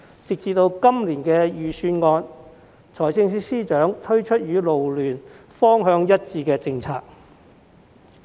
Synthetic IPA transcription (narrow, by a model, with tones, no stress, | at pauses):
t͡sɪ˨k̚t͡siː˨t̪o˧wkɐ˥mliː˨˩nkɛː˧jyː˨syː˧nŋɔː˧n | t͡sʰɔː˨˩jsɪ˧ŋs̬iː˥siː˥t͡ʃœː˨˥ŋt̪ʰɵ˥ɥt͡ʃʰɵ˥t̚jyː˨˧lo˨wlyː˨˩n | fɔː˥ŋɦœː˧ŋjɐ˥t̚t͡siː˧kɛː˧t͡sɪ˧ŋt͡sʰa̰ː˧k̚